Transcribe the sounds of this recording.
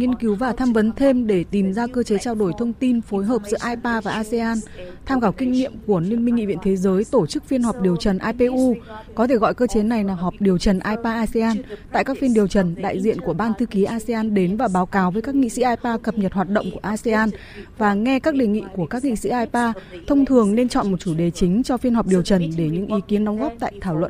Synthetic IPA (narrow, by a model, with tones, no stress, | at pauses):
ŋi˧ənki˨˦wvaː˨˩t̪ʰaː˧mvə˨˦nt̪ʰe˧mɗe˧˩t̪i˨˩mzaː˧kəː˧t͡ɕe˨˦t͡ɕaː˧wɗo˧˩jt̪ʰə˧wŋ͡mt̪i˧nfo˨˦jɦəː˨˩p̚zɨ̰˧˥əʔaː˧jpaː˧vaː˨˩ʔaː˧se˧ʔaː˧nt̪ʰaː˧mkaː˧˩wkï˧ŋ̟nḭ˧˨əmku˧˩əli˧ənmi˧ŋ̟ːḭ˧˨vḭ˧˨nt̪ʰe˨˦zəː˨˦jt̪o˧˩t͡ɕɨ˦˥k̚fi˧ənhɔ˨˩p̚ɗi˨˩əwt͡ɕə˨˩nʔaː˧pe˧ʔu˧kɔ˨˦t̪ʰe˧˩ɣɔ̰˧˨jkəː˧t͡ɕe˨˦na˨˩jlaː˨˩ɦɔ˨˩p̚ɗi˨˩əwt͡ɕə˨˩nʔaː˧jpaː˧ʔaː˧se˧aː˧nt̪a̰ː˧˨jkaː˦˥k̚fi˧ənɗi˨˩əwt͡ɕə˨˩nɗa̰ː˧˨jzḭ˧˨ənku˧˩əɓaː˧nt̪ʰɨ˧ki˨˦ʔaː˧se˧ʔaː˧nɗe˨˦nvaː˨˩ɓaː˨˦wkaː˨˦wvəː˨˦jka˦˥k̚ŋḭ˧˨sḭ˧˥ʔaː˧jpaː˧kə˨˩p̚ɲə˨˩t̚hwaː˨˩t̚ɗə̰˧˨ŋ͡mku˧˩əʔaː˧se˧ʔaː˧n | vaː˨˩ŋɛ˧kaː˦˥k̚ɗe˨˩ŋḭ˧˨ku˧˩əkaː˦˥k̚ŋḭ˧˨sḭ˧˥ʔaː˧jpaː˧t̪ʰə˧wŋ͡mt̪ʰɨ˨˩əŋne˧nt͡ɕɔ̰˧˨nmo˨˩t̚t͡ɕu˧˩ɗe˨˩t͡ɕï˨˦ŋ̟t͡ɕɔ˧fi˧ənhɔ˨˩p̚ɗi˨˩əwt͡ɕə˨˩nɗe˧˩ɲɨ̰˧˥ŋʔi˨˦ki˨˦ənɗɔ˨˦ŋ͡mɣɔ˦˥p̚t̪a̰ː˧˨jt̪ʰaː˧˩wlwə̰˧˨n